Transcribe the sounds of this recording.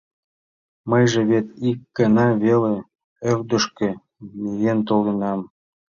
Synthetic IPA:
məjʒĕβet̪ikːənɑβele | ewd̪ə̆ʃkĕ | mijent̪olinɑm

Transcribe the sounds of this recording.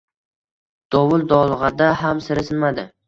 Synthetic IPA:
d̪̥ɒwʊlˠd̪ɒlˠʁɑd̪ahamsɪɾɪsɪnmad̪ɪ

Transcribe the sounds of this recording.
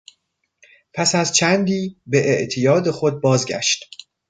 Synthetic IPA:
pʰæsæzt͡ʃʰænd̪iːbe̞ʔeʔt̪ʰijɒːd̪e̞xo̞d̪̚bɒːzɟæ̰ʃt̪

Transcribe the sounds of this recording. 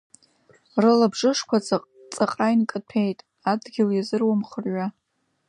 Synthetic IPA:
rɨlabʐɨʂkʷʰat͡sʼaqʼ | t͡sʼaqʼajnkʼɨtʰejtʼ | adɡʲɪljazɨrwamχərɥa

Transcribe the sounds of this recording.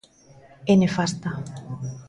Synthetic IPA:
enefast̪a

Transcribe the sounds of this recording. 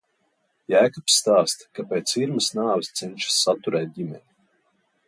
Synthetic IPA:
jæːkɔpsːt̪aːst̪kapʲeːt̪siɾmɨsnaːvɨst̪sɛnʲʃi̥sːat̪uɾɛːt̪̚ʲd̪ʲimʲɛnʲi

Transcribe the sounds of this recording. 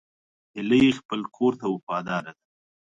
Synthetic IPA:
hɪləjexpəlkʰoɾt̪awʊfɑd̪ɑɾad̪a

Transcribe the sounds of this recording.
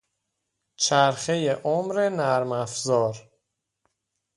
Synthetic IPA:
t͡ʃʰæɾxejeʔomɾenæɾmæfzɒːɾ

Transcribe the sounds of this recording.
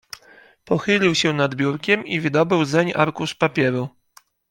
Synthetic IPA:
pɔxɘlʲiwɕɛnad̪bʲjuɾkʲɛmivɘd̪ɔbɘwzɛɲa̰ɾkuʂpapʲjɛɾu

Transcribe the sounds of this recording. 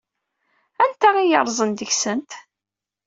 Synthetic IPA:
ænt̪æʁijə̰ɾˤzˤənd̪əçsənt̪

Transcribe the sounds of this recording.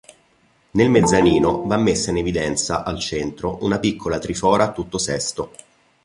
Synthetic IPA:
nelmed̪zːaniːnovamːesːainevid̪ɛnt̪saʔalt͡ʃent̪ɾoʔunapikːolat̪ɾifɔːɾat̪ːut̪ːosɛst̪o

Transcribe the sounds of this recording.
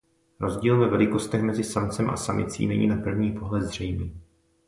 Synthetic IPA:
ɾo̞zɟiːlvɛvɛlɪko̞st̪ɛxmɛzɪsamt͡sɛmʔa̰samɪt͡sḭːnɛɲḭːnapr̩vɲiːpo̞ɦlɛd̪zr̝ɛjmiː

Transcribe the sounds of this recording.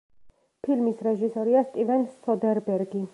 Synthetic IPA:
pʰilmisɾɛʒisɔɾiast̪ʼivɛnsɔd̪ɛɾbɛɾɡi

